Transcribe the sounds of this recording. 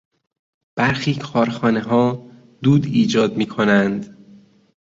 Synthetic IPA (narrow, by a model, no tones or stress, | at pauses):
b̥æɾxiːkʰɒːɾxɒːneɦɒː | d̪uːd̪iːd͡ʒɒːd̪miːkʰo̞nænd̪